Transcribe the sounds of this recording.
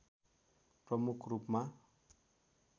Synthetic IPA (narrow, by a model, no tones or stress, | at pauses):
prʌmukʰrupma